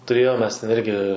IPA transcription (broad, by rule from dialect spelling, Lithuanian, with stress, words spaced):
tʊˈrʲeːjoːm mʲɛs tʲɛn ˈɪrʲɡʲɪ